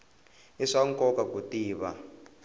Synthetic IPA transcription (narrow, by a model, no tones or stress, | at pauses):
iʂaŋkʼɔkakutiːβa